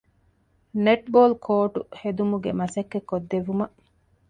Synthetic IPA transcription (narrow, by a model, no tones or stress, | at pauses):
neʈ̚boːlkʰoːʈṵhed̪umuɡemɐsɐkːekːod̪ːeʋumɐʔ